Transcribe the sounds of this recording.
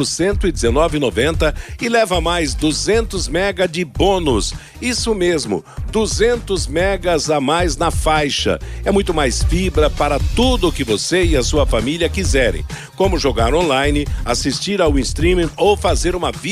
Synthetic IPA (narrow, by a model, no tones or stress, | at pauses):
ʊsẽnt̪ʊɪd͡ʒ̪ɪzenɔvɪnovẽnt̪ɐɪlɛvɐmajzd̪uzẽnt̪ʊzmɛɡɐd͡ʒɪbõnʊs | isʊmezmʊ̰d̪uzẽnt̪ʊzmɛɡɐzamajznɐfajʃɐ̰ɛmũj̃t̪ʊmajsfibɾɐpaɾɐt̪ud̪ʊːkɪvoseɪɐsuɐfamiljɐkizɛɾḛ̃j̃ | kõmʊʒoɡaɾõnlajnɪasist͡ʃiɾawĩst̪ɾĩmĩowfazeɾũmɐvi